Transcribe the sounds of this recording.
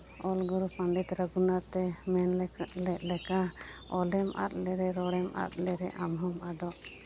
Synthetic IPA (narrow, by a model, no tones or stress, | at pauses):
ɔlɡɔɾupʰaɳɖit̪ɾəɡunat̪ɛmɛnllɛʔlɛkaɔlɛmʔa̰t̪̚lɛɾɛɾɔɽɛmʔa̰t̪̚lɛɾɛʔamɦɔmad̪ɔ